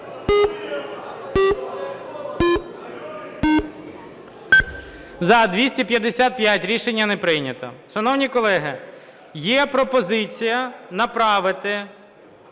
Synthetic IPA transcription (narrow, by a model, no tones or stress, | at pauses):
zɐd̪ʋʲisʲtʲipʲjɐd̪esʲat̪̚pʲjatʲɾʲiʃenʲːɐnepɾɪjnʲɐt̪ɐ̰ʃɐnɔwnʲikɔlˠɛɦɪ | jɛpɾɔpɔzɪt͡sʲijɐnɐpɾɑʋɪt̪ɪ